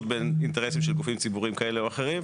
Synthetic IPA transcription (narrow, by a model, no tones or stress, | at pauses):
t̪beninteʁesimʃelkufimt͡sibuʁimkae̞leoaχe̞ʁim